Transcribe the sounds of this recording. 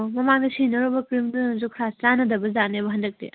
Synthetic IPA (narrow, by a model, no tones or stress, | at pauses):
mɐmaŋdɐsʰinɐɾobɐkɾimduzukʰɾast͡ʃanɐdɐbɐzanebɐɦɐndɐk̚tḛ